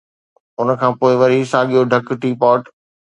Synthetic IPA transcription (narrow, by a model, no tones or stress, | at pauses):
ʊnəkʰãːpoːɪʋɐɾisaːɠijoɖʱɐkʈiːpɔːʈ